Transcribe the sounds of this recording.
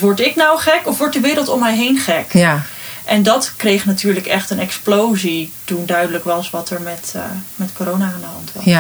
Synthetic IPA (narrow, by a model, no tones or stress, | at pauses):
ʋɔɹtɪknawχɛkɔfʋɔɹt̚dəʋɪːɾəlˠtɔmːɛjɦejnχɛk | ʔɛndɑtkrejχnatyːɹləkɛχtənɛksplowzitundœɥdələkʋɑsʋɑtəɹmɛtmɛtkoːɾownaaːndəɦɑntʋɑ̰